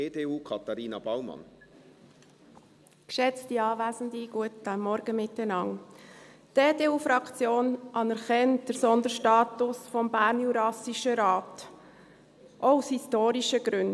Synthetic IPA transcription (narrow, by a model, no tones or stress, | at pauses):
edeːuːkʰɑt̪ɑɾiːnɑb̥awmɑ̰n | kʃɛt͡stiɑːʋæːzəndiɡ̥uətd̥æmmɔɾɡ̥əmɪthɛnɑŋ | d̥eːdeːuːfɾɑkt͡sjoːnʔɑnɛɾχɛnt̚d̥əɾsɔndəɾʃtɑːtʊsfɔmbæːɾnjuɾɑsiʃəɾɑːt | ʔɔushistoːɾiʃəɡ̥ɾʉn